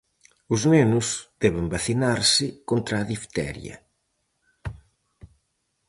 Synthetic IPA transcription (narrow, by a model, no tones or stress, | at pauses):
ʊznenʊsd̪̥ɛβembaθinaɾsɪkont̪ɾaːðift̪ɛ̰ɾjɐ̰